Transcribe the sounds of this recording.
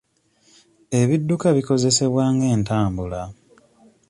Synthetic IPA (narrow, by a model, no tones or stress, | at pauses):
e̞βidːukaβiko̞ze̞se̞βwaːŋɡe̞ːntaːmbula